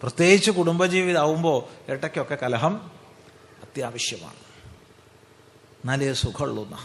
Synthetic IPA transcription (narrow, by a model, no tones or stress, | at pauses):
prɐt̪je̞ːɡit͡ɕːukuɽumbɐd͡ʑiːʋiðaːʋumbo̞ːeʈːɐkʲːo̞kːe̞kɐlɐɦɐm | ɐt̪jaːʋɐɕjɐma̰ːɳɨ | nɐlɐjsukʰɐɭːunːɐ̰